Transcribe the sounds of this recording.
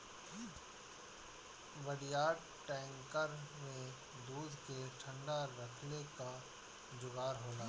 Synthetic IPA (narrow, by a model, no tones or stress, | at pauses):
ʋəɽijaːɖ | ʈɛ̃ːŋkəɾmẽ | d̪uːd̪ʱkeʈʰə̃ɳɖaɾɐkʰleka | d͡ʒʊɡaːɾɦoːlaː